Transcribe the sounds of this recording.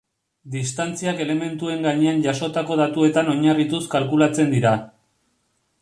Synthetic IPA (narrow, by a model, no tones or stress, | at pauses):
d̪ist̪ant͡siake̞le̞me̞nt̪ue̞ŋɡaɲe̞anʝaso̞t̪ako̞ðat̪ue̞t̪ano̞ɲarit̪uskalkulat͡se̞nd̪iɾa